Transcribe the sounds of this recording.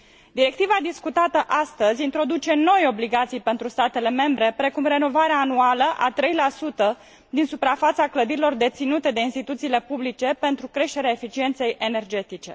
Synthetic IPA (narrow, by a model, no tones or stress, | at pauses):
d̪iɾe̞k̚t̪ivad̪iskut̪at̪əʔast̪əzʲint̪ɾo̞d̪ut͡ʃe̞no̞jo̞bliɡat̪sijpe̞nt̪ɾust̪at̪e̞le̞me̞mbɾe̞pɾe̞kumre̞no̞vaɾeaːnualəʔat̪ɾe̞jlasut̪ə | d̪insupɾafat̪sakləd̪iɾilo̞rd̪e̞t̪sinut̪e̞d̪e̞inst̪it̪ut̪siːle̞publit͡ʃe̞pe̞nt̪ɾukɾe̞ʃt̪e̞ɾeaefit͡ʃie̞nt̪se̞jene̞rd͡ʒe̞t̪it͡ʃe̞̰